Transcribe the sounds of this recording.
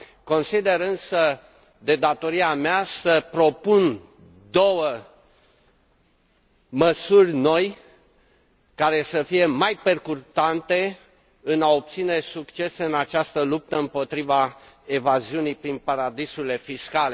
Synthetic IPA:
ko̞nsid̪e̞ɾɨnsə | d̪e̞d̪at̪o̞ɾiameasəpɾo̞pun | d̪o̞wə | məsurʲno̞j | kaɾe̞səfije̞majpe̞rkurt̪ant̪e̞ | ɨnaop̚t̪sine̞sukt͡ʃe̞sɨnat͡ʃast̪əlup̚t̪əɨmpo̞t̪ɾivae̞vaziunijpɾinpaɾad̪isuile̞fiskale

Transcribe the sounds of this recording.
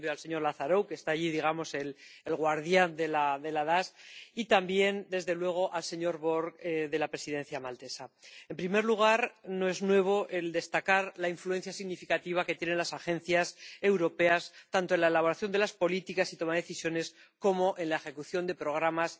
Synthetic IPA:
bjoalse̞ɲo̞ɾlaθaɾo̞wke̞st̪aːʎiðiɣamo̞se̞lelɣwaɾðjand̪e̞laðe̞laðasit̪ambje̞nd̪e̞zðe̞lwe̞ɣ̞o̞ʔalse̞ɲo̞ɾβo̞ɾkðe̞lapɾe̞siðẽ̞n̟θjamalt̪e̞sae̞mpɾime̞ɾluɣ̞aɾno̞e̞znwe̞β̞o̞ʔe̞ld̪e̞st̪akaɾlaiɱflue̞n̟θjasiɣnifikat̪iβ̞aket̪jene̞nlasaxe̞n̟θjase̞wɾo̞pe̞ast̪ant̪oe̞nlae̞laβ̞o̞ɾaθjo̞nd̪e̞laspo̞lit̪ikasit̪o̞maðe̞θisjo̞ne̞s | ko̞mo̞ʔe̞nlae̞xe̞kuθjo̞nd̪e̞pɾo̞ɣ̞ɾamas

